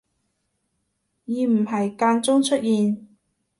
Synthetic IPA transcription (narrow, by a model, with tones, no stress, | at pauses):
jiː˨˧m̩˨˩ɦɐ˨jkaː˧nt͡sʊ˥ŋt͡ʃʰɵ˥t̚jiː˨n